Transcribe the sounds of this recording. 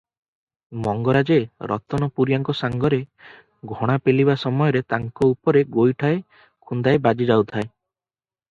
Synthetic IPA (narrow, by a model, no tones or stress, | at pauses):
mɔŋɡɔɾad͡ʒeɾɔ̰t̪ɔnɔpuɾjaŋkɔsaŋɡɔɾe | ɡʱɔɽ̃apelibasɔmɔjɔɾet̪aŋkɔupɔɾeɡojʈʰae | kʰund̪aebad͡ʒid͡ʒawt̪ʰae